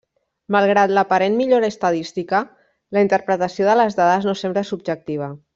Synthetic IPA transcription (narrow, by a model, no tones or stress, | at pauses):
malˠɣ̞ɾat̪ləpaɾenmiʎoɾaːst̪aðist̪ikə | ləint̪əɾpɾət̪əsioðələzðaðəznosembləsub̚ʒək̚t̪iβ̞ə